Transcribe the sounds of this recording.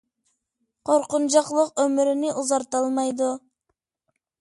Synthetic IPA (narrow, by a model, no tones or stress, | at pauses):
qʰoɾqʊnd͡ʒɑqlˠʊqɵmɪɾɪnɪʔuzɑɾt̪ɑlˠmɑjd̪ʊ